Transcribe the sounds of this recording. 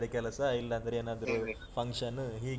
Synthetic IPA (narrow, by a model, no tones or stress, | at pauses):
ɾekɛlɐsɐilːɐːnd̪ɐɾeeːnaːd̪ɐɾu | pʰɐŋkʂɐnːɦiːɡ